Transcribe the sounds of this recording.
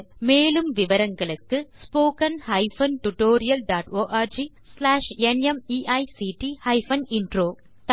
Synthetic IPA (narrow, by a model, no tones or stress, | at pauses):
meːlɯmʋɪʋɐɾɐŋɡɐɭɯkːɯspoːkɐnhɐɪfɐnʈʊʈoːɾɪjɐlɖaːʈoːʔaːɾd͡ʒi | slaːʂɛnɛmiːʔɐɪsiːʈihɐɪfɐnɪnɖɾoː | t̪